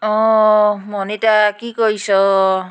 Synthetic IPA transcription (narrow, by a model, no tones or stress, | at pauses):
ɔmɔnetakikojsɔ